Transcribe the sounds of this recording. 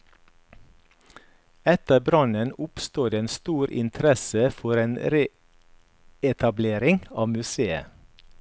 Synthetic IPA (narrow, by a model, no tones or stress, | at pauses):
ɛt̪əbɾɑnənʊpst̪oːd̪eeːnst̪uːɾʔɪ̰nt̪ʰɾɛsəfɔɾeːnɾeː | ɛt̪ʰɑbleːɾɪŋɑːʋmʉseːə̰